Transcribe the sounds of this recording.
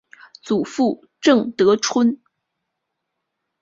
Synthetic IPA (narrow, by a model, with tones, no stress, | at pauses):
t͡su˨˩fu˥˩ | ʈ͡ʂɤ˥˩ŋt̪ɤ˧˥ʈ͡ʂʰwə˥n